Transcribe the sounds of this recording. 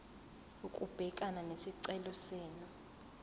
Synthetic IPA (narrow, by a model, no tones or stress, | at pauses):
ukʼub̥ʱɛkʼananesiǀɛlɔsɛːnu